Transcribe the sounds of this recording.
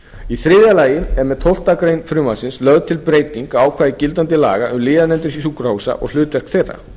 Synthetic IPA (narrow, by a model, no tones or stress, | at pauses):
iθɾɪːðalaːjɪmɛɾmɛðt̪ʰowl̥t̪akɾejnfɾʏːmasɪnslœɣðt̪ʰɪlpɾeːjt̪iŋkaːwkʰvaːðɪcɪlt̪̬ant̪ɪla̰ːɣaʔʏmlɪːðanɛnt̪ʏɾisukraːwsa̰ʔɔ̰ɣl̥ʏːt̪vɛr̥kθejrːa̰